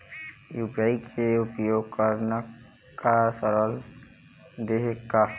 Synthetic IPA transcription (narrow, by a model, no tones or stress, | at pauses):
jubɾaikʰeʊpjoɡ̚kəɾnə | kasəɾəl | d̪eɦekːa